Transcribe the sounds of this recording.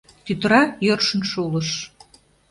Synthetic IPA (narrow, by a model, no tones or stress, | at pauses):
t̪yt̪ɾɑjørʃə̆nʃulɤ̆ʃ